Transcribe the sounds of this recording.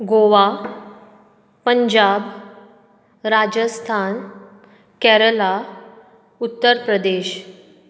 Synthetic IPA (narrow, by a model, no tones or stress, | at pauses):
ɡoʋa | pəɲd͡ʑab | ɾad͡ʑəst̪ʰan | kɛɾəla | ut̪ːəɾpɾəd̪eɕ